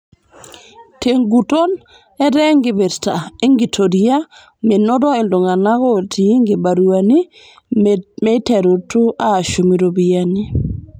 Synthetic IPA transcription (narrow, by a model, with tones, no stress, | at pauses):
tʰe˨ŋɡu˨to˦n | ɛ˦ɾɛ˦ŋɡɪ˨be˨ɾta˨e˦ŋɡi˨tʰo˨ɾia˦ | me˨no˦dɔ˦e˨ndo˨ŋa˨na˦ɡɔ˦˨tʰi˨˦ŋɡɪ˨ba˨ɾuani˦ | mɛ˦tɛ˨ɾu˨tu˦ʔaː˦˨ʃo˨mi˨ɾo˨biani˦